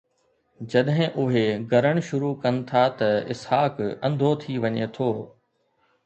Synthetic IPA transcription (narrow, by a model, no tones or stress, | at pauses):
d͡ʑɐɗɦɪ̃ʔʊɦeɡʱɐɾəɽ̃ʃʊɾukɐnɪ̆t̪ʰat̪ɐɪ̰shaːkɐ̃nd̪ʱot̪ʰiʋɐɲet̪ʰoː